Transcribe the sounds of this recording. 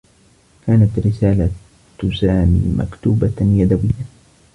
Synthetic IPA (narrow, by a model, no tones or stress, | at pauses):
kaːnat̪ɾɪsaːla | t̪ʊsaːmḭːma̰kt̪uːbajad̪awɪjːa